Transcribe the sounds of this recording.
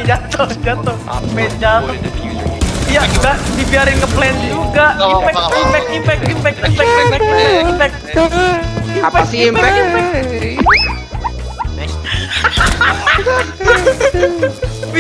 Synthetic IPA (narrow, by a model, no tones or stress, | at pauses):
d͡ʒat̪od͡ʒat̪o | med͡ʒas | jaɡadibiaɾɪnkəplɛnd͡ʒuɡaʔipɛipɛk̚ipɛk̚ipɛkipɛkpɛɛipɛk̚ | ipɛɛiɛ